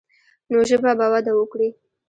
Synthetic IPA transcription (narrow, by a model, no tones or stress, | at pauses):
noʒəbabawad̪awəkɽi